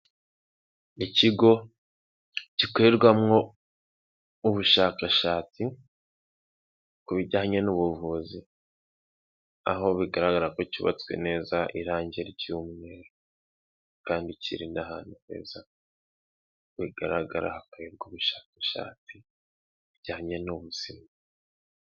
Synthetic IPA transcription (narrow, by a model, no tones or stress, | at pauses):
iciɡo̞ | cikweɾɡwamŋo̞ | uβuʃakaʃaːt͡si | kuβiɟahaɲenuβuvuzi | a̰ɦo̞βiɡaɾaɡaɾakociβa̰t͡swḛne̞ːzaʔiɾaːɲɟeɾiɟuːmŋe̞ːɾo | kaːndicḭɾinaɦa̰ːnuhḛːza | βiɡ̥aɾaɡaɾa̰hakeβɡuβuʃḁːkaʃa̰ːt͡si | βiɟ̥ahaɲenuβuz̥ima